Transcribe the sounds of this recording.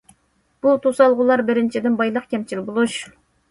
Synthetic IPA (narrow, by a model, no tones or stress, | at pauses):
b̥ut̪ʰosɑlˠʁʊlˠɑɾbɪɾɪnt͡ʃʰid̪ɪnbɑjlˠəqkʲʰɛmt͡ʃʰilbolˠuʃ